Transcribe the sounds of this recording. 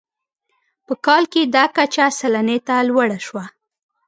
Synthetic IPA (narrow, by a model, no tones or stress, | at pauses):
pəkɑlked̪ɑkat͡ʃasalanet̪alwaɽaʃwa